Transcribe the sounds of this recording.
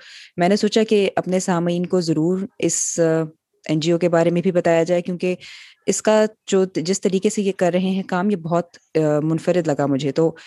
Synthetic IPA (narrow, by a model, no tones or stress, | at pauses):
mɛ̃ːnesoːt͡ʃakeʔɐpnesaːmiːnkozɐɾuːɾɪs | ɛ̃ːnd͡ʒiokebaːɾemẽbʱibɐt̪aːjad͡ʒaːekjũːke | ɪskad͡ʒoːd͡ʒɪst̪ɐɾiːkesejekɐɾːɐɦeɦɛ̃kaːmjebɔɦt̪mʊnfəɾɪd̪lɐɡamʊd͡ʒʱet̪oː